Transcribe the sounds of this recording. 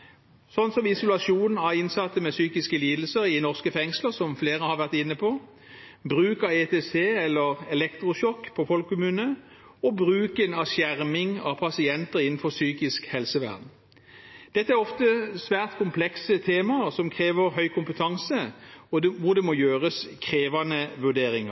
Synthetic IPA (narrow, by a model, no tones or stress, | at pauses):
sɔnːsɔmɪsʊlɑʃuːnn̩ɑɪnsɑt̪ːəmɛsyːkɪskəliːd̪l̩səɾɪnɔʁskəfɛŋsləʁsɔmfleːʁəhɑʁʋæʁt̪ɪnːəpʰɔː | bʁʉːkɑʋet̪ʰeːseːɛlːəʁɛlɛkt̪ʁʊʃɔkːpʰɔfɔlkkːʊmʉːnə | ɔbʁʉːkənɑsjæʁmɪŋɑ̰ʋpʰɑsɪɛnt̪əʁɪnn̩fɔsyːkɪskhɛlsəʋæ̰ʁd̪n̩ | d̪̥ɛt̪ːəæʁɔft̪əsʋæːʁt̪kʰʊmpʰlɛksət̪ʰeːmɑəsɔmkʰʁeːʋəʁɦœʏkʰʊmpət̪ʰɑŋsəɔʋʊd̪ɛmojøːʁəskʰʁeːʋɑnəʋʉɖ̪eːɾɪŋə